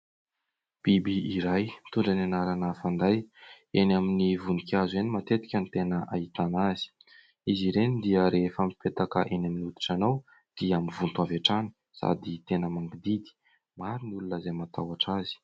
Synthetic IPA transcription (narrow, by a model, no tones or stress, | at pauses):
b̥ibiiɾajmit̪uɳɖ͡ʐananaɾanəfand̪aj | enaminivunikʲazuenimat̪et̪i̥kʲənit̪enəʔait̪anazi̥ | iziɾenid̪iəɾefəmipet̪aka̰ʔenaminud̪u̥ʈ͡ʂanaw | d̪̥iamivunt̪uavaʈ͡ʂani̥ | sa̰d̪it̪enəmaŋɡid̪id̪i̥ | maɾinulunəzajmat̪awaʈ͡ʂazi̥